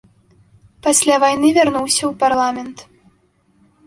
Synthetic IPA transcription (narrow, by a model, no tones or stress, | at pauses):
pasʲlʲavajnɨvʲarnuwsʲɐwparlˠamʲɛnt̪